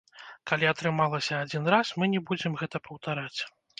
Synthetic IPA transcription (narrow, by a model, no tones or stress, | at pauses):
kalʲiat̪ɾɨmalˠɐsʲɐːd͡zʲinɾasmɨnʲɛbud͡zʲɛmɣɛt̪ɐpɐwt̪aɾat͡sʲ